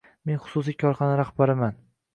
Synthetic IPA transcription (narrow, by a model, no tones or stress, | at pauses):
me̞nχʊ̥sʊsijkʲʰɒɾχɒnaɾahbaɾɪman